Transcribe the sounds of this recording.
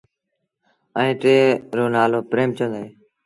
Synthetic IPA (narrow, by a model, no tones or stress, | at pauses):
əẽːʈɾeːɾoːnaːloːpɾeːmt͡ʃəneː